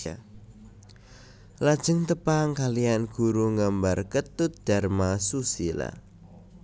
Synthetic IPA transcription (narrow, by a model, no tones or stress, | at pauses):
a | lad̥ʒ̥ə̤ŋt̪əpaŋkalijanɡ̥uɾuŋambarkət̪ut̪̚d̪̥a̤rmasusila̰